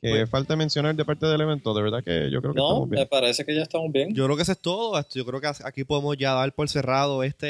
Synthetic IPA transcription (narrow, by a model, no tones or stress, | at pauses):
efalt̪emensjo̞naɾd̪e̞paɾt̪eðeleβent̪oðeeɾðakḛʝokɾeokenoamojmepaɾesekeʝaest̪amozbjeŋd͡ʒokɾeokes̬est̪oðoest̪oʝokɾeokesakipo̞ðemosʝaðalpo̞lse̞raðoe̞st̪e